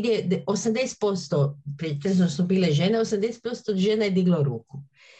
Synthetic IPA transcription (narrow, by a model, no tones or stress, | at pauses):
d̪jeosamd̪est̪̚po̞st̪opɾet̪enznosubiːleʒeneosamd̪est̪̚po̞st̪oʒeːnajed̪iɡlauɾuːku